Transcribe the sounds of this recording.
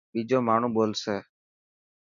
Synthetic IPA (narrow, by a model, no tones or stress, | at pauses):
biːd͡ʒoːmaːɳ̤ũːboːlseː